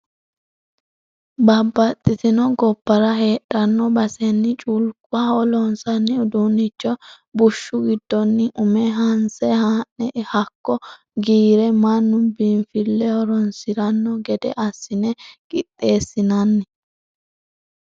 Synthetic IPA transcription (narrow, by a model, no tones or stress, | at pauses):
bɐbːɐt̪ʼːɪt̪ɪnɔɡɔpːɐɾɐɦe̞ːᶑɐnːɔbɐsɛnːɪt͡ʃʼulkʼʊaɔlɔnsɐnːɪɔd̪unɪt͡ʃːɔ | bʊʃːʊɡɪd̪ːɔnːɪʔʊmɛɦɐnsɛhaːnnɛhɐkːɔ | ɡiːɾɛmɐnːʊbiɱfɪlːɛhɔɾɔnsɪɾɐnːɔɡɛd̪ɛ̰ʔɐsːɪnɛkʼɪt̪ʼːe̞ːsːɪnɐnːɪ